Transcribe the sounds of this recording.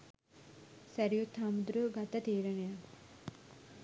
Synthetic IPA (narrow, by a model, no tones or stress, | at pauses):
sɐɾijut̪ʰːaːmud̪ɾuɡʱɐt̪ɐt̪iːɾɐɳɐjɐ